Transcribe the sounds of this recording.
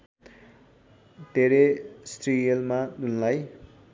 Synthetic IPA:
d̪ʱeɾesʈrijelmadunlaj

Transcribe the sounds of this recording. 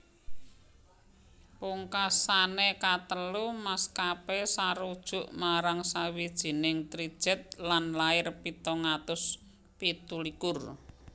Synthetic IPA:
puŋkasanekat̪əlumaskapesaɾud̥ʒ̥ʊ̤ʔmaɾaŋsawid̥ʒ̥i̤nɪŋt̪ɾid̥ʒ̥ɛ̤t̪̚lanlaɪrpit̪ɔŋat̪ʊs | pit̪ulikʊr

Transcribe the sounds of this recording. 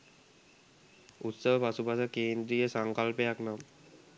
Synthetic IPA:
ut̪səɦopasupasakeːnd̪ɾijəsaŋkalpejaknam

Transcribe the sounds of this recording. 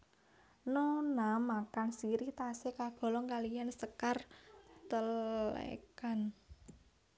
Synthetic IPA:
nonamakansiɾit̪asekab̥ɔ̤lɔŋkalijansəkart̪əlḛkan

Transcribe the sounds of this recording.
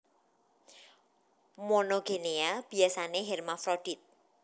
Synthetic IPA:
mɔnoɡeneab̥i̤asaneɦɛrmafɾoɖ̥it̪̚

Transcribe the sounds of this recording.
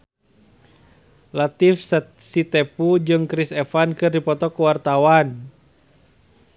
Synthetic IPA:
lat̪ifssit̪ɛpud͡ʒɨŋkɾisɛfankɨrdipɔt̪ɔkuwart̪awan

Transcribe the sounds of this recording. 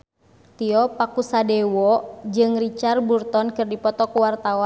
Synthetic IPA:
t̪iɔpakusadɛwɔd͡ʒɨŋrit͡ʃarburt̪ɔnkɨrdipɔt̪ɔkuwart̪awa

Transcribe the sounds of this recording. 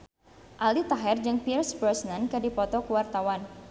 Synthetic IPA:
ʔalit̪aɦɛrd͡ʒɨŋpirsbɾɔsnankədipɔt̪ɔkuwart̪awan

